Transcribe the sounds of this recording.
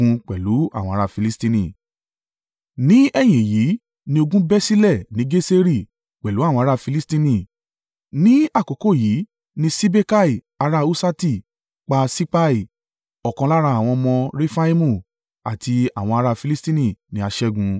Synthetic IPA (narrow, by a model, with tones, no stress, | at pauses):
ũ˧k͡pɛ˨lu˨˦a˦˨wɔ̃˧a˧ɾa˦˧˨fi˧li˦stĩ˧nĩ˦˨ | nĩ˦ɛ˦˨j̃ĩ˨ji˨˦ | nĩ˧o˧ɡũ˦bɛ˦si˦lɛ˦˨nĩ˨˦ɡe˦se˦ɾi˦˨ | k͡pɛ˨lu˨˦a˦˨wɔ̃˧a˧ɾa˦˧fi˧li˦stĩ˧nĩ˦˨ | nĩ˦a˦˨ko˨˦ko˦˨ji˨˦ | nĩ˧˦si˦be˦ka˦i˦˨ | a˧ɾa˦˨u˦sa˦ti˦˨ | k͡pa˧si˦k͡pa˦i˦˨ | ɔ˨kɔ̃˧la˦ɾa˧˦a˨w̃ɔ̃˧mɔ̃˧ɾe˦fa˦i˦mũ˦˨ | a̰˨tʰi˧a˨w̃ɔ̃˧a˧ɾa˧fi˧li˦stĩ˦nĩ˦˨nĩ˧˦a˧ʃɛ˦ɡũ˧